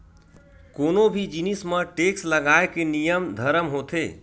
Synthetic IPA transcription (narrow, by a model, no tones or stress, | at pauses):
konobʱid͡ʒinismẽʈeksləɡaekenijəmd̪ʱəɾəmɦot̪ʰe